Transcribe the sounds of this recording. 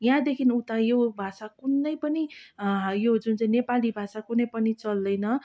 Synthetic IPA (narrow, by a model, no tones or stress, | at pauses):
jãd̪ekʰinut̪ajobʱasakunːʌjpʌni | jod͡zunt͡saĩnepalibʱasakunʌjpʌnit͡sʌld̪ʌjnʌ